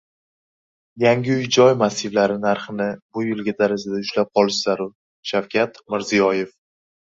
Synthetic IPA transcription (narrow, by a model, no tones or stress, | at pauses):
jaŋɡʲɪʊjd͡ʒɒjmasːɪvlaɾɪnaɾχɨnɪbʊjɪlˠɡʲad̪aɾɪzɪd̪aʊʃlap̚qʰɒlˠɪʃz̥aɾʊ | ʃawkʲʰat̪mɪɾzijɒje̞f